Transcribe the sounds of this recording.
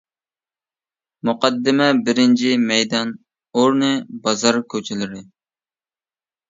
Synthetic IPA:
mʊqɑd̪ːɪmɛbɪɾɪnt͡ʃʰimɛjd̪ɑn | oɾnɨbɑzɑɾkʲʰøt͡ʃʰɪlɪɾɪ

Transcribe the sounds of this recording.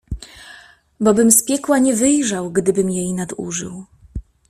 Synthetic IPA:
bɔbɘmspʲjɛkwaɲɛvɘjʐawɡd̪ɘbɘmjejnad̪ṵʐɘ̰w

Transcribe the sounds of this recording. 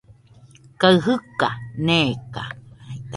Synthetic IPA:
kaɨɦɯkaneka̰

